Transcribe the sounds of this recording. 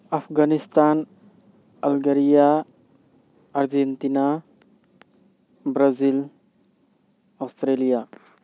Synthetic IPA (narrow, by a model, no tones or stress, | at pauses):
apʰɡanist̪an | alɡəɾija | aɾd͡ʒent̪ina | bɾazil | ast̪ɾelija